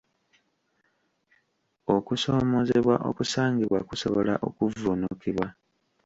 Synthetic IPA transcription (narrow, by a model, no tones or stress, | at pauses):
o̞kuso̞ːmo̞ze̞βwaʔo̞̰kusaːŋɡiβwakuso̞̰βo̞laʔo̞̰kuvunukiβwa